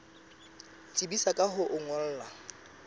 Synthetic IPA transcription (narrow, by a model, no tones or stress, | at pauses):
t͡sʼibisakʼaɦʊʔʊŋɔl̩ːla